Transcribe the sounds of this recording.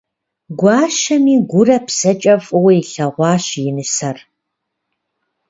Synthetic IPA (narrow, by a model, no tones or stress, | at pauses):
ɡʷɑːʃɐmiːɡʷʊrɐpʰsɐt͡ʃʼɐfʼɨwɐjiɬɐʁʷɑːɕjɪnɨsɐr